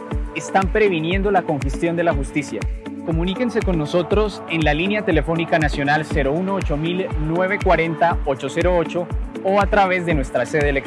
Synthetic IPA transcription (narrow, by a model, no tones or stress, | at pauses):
est̪ampɾe̞β̞inje̞nd̪o̞lako̞ŋxest̪jo̞nd̪e̞laxust̪isja̰ | ko̞munike̞nse̞ko̞nːo̞so̞t̪ɾo̞s | enlalinjat̪e̞le̞fo̞nikanasjo̞nalse̞ɾo̞uno̞ot͡ʃo̞milnwe̞β̞e̞kwaɾe̞nt̪aot͡ʃo̞se̞ɾo̞o̞t͡ʃo̞ | oat̪ɾaβe̞zd̪e̞nwe̞st̪ɾase̞ðelek